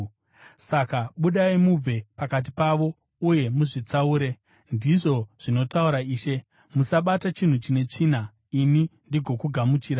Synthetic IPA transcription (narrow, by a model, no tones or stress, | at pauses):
sakaɓuɗaimub͡ve̞pakat̬ipaʋo̞ | uje̞muʐit͡sauːɾe̞ | ndiʐo̞ʐ̥ino̞tauɾaiːʃe̞ | musaɓatat͡ʃin̤ut͡ʃine̞t͡ʂiːn̤a | inindiɡʱo̞kuɡʱamut͡ʃiːɾa